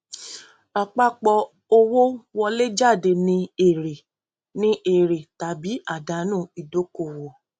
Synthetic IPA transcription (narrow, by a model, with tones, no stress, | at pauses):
a˨k͡pa˦k͡pɔ˧ | o˧wo˦wɔ˧le˦d͡ʒa˦˨de˨nĩ˧e˦˨ɾe˨ | nĩ˦ʔe˨ɾe˨ta˨bi˨˦ʔa˦˨da˨˦nũː˦˨i˨do˨˦ko˦˨wɔ˨